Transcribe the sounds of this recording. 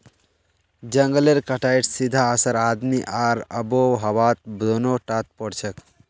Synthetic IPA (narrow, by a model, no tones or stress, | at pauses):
d͡ʒəŋɡəleɾkəʈajʈsid̪ʱaəsəɾad̪miʔaːɾəboɦəwat̪̚bɾonoʈat̪̚pɔɽt͡ʃʰək